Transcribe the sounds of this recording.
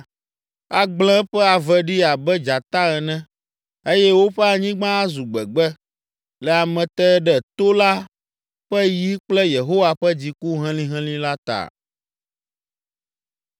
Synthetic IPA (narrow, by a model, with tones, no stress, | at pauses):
a˨ɡ͡bl̃ɛ̃˦ɸɛ˦a˨vɛ˨ɖi˦a˨bɛ˦d͡ʒa˨t̪a˦ɣɛ˨nɛ̃˦ | e˦jɛ˦wo˦ɸɛ˦a˨ɲĩ˦ɡ͡bã˦a˦zu˨ɡ͡bɛ˨ɡ͡bɛ˦ | lɛ˨a˨mɛ̃˨t̪ɛ˦ɖɛ˨t̪o˦la˦ | ɸɛ˦ji˦k͡plɛ˦je˨ɦo˦wa˦ɸɛ˦d͡ʑi˨ku˦ɦɛ̃˦lĩ˦ɦɛ̃˦lĩ˦la˦t̪a̰˨